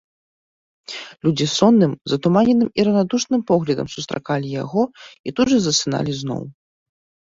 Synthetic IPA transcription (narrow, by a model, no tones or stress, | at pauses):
lʲud͡zʲisɔnːɨmzɐt̪umanʲɛnɨmiɾɐnad̪uʂnɨmpɔɣlʲɐd̪ɐ̰msu̥st̪ɾa̰kalʲijaɣɔit̪udʐɨzɐsɨna̰lʲiznɔ̰w